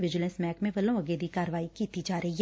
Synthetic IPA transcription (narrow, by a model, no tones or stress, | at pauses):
ʋɪd͡ʒɪlə̃nsmɛːkmẽʋɐlõɐɡeːd̪ikaːɾəʋaːikiːt̪id͡ʒaːɾəɦij